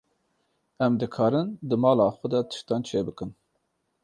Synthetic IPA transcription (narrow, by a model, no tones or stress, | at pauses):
ɛmd̪ɨkʰɑːɾɨnd̪ɨmɑːlɑːxʷɛd̪ɛt̪ʰɨ̥ʃt̪ɑːnt͡ʃʰeːbɨkɨn